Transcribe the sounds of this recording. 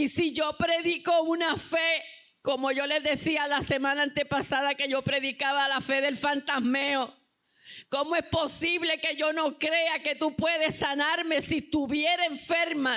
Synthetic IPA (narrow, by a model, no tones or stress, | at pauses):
isiʝo̞pɾe̞ðiko̞unafe̞ | ko̞mo̞ʝo̞le̞zðe̞sialase̞mãnãːnt̪e̞pasaðake̞ʝo̞pɾe̞ðikaβalafe̞ðe̞lfant̪asmeo | ko̞moe̞spo̞siβle̞ke̞ʝo̞no̞kɾe̞ake̞t̪upwe̞ðe̞sanaɾme̞sist̪uβjeɾeeɱfe̞ɾma